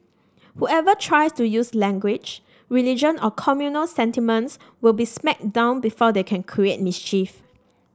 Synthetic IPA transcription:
huɛvətʰɹajstujuslɛ̃ŋɡwɪd͡ʒ | ɹilid͡ʒə̃nɔkʰɔmjunəlsɛ̃ntimə̃ns | wilbismɛk̚d̥ãʊ̃nbifɔdekʰɛ̃nkʰɹiet̚mist͡ʃif

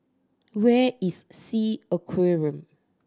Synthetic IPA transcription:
wɛissiəkʰweɹə̃m

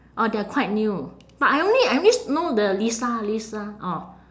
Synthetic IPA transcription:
ʔɔdeakʰwaɪt̚nju | b̥at̚ajõnliajõnisnodəlisalisaʔɔ

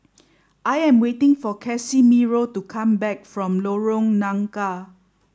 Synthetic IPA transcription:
ʔajɛ̃mwetɪ̃ŋfɔkʰɛsimiɹotukʰãmbɛk̚fɹɔ̃mloɹõŋnãŋka

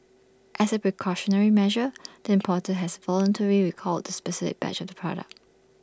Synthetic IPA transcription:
ʔɛsəpɹikʰɔʃɔnəɹimɛʒəd̥əɪ̃mpʰɔtəɦɛsvɔlə̃ntʰəɹiɹikʰɔltːəspɛsɪfɪ̰k̚b̥ɛ̰t͡ʃɔfdəpʰɹ̥ɔ̰ɾə̰k̚

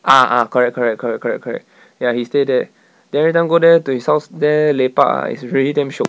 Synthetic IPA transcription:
ʔaʔa̰kɔɹɛk̚kʰːɔɹɛk̚kʰːɔɹɛk̚kɔɹɛk̚kʰɔɹɛ̰k̚ | jahistedɛ | diɛɹitãɪ̃mɡodɛtuhishaʊsdɛlepaa̰ḭsɹilitãmʃo

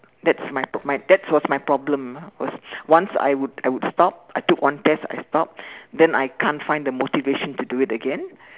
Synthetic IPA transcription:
dɛtsmajpɔmajdɛtswɔsmajpɹɔblə̃mwɔ̰swãnsa̰jwuda̰jwudstɔp̚ajtukwãntɛsa̰jstɔp̚dɛ̃najkʰãntfãɪ̃ndəmotiveʃɔ̃ntuduɪtəɡɛ̃n

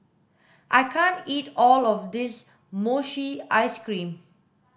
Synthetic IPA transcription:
ʔajkʰãntitɔlɔfd̪ɪs | moʃiʔaɪskɹĩm

